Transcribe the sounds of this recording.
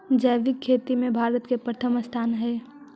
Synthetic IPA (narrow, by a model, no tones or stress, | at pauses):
d͡ʒəʋɪkʰːeːt̪imẽbʱaːɾət̪kepɾət̪ʰəməst̪ʰaːnɦɛː